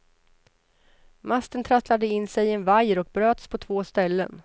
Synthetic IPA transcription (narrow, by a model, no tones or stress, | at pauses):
mast̪ənt̪ʰɾat̪lad̪əɪnːsɛjɛnvajəɾɔk̚bɾøːt̪spʰɔt̪ʰv̥oːst̪ɛlːə̰n